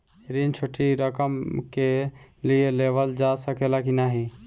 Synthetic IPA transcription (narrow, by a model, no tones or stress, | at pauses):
ɾint͡ʃʰoʈʰiɾəkəmkelielebəld͡ʒasəkelakinaɦi